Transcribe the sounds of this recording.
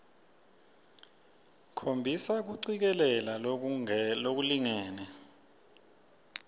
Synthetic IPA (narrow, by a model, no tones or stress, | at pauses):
kʰombʱisak̬uǀik̬ɛlɛla | lok̬uliŋɛːnɛ